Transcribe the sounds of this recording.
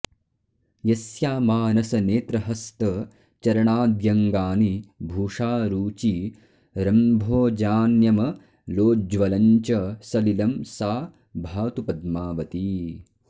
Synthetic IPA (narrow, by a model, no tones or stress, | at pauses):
jɐsjaːmaːnɐsɐneːt̪ɾɐɦɐst̪ɐ | t͡ʃɐɾɐɳaːd̪jɐŋɡaːnibʱuːʂaːɾuːt͡ʃi | ɾɐmbʱoːd͡ʒaːnjɐmɐ | loːd͡ʒʋɐlɐɲt͡ʃɐsɐlilɐmsaː | bʱaːt̪upɐd̪̚maːʋɐt̪i